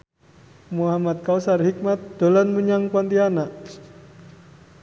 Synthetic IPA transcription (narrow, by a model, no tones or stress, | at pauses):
muɦamat̪̚kausarhik̚mat̪̚d̪̥olanmuɲaŋpuant̪ianaʔ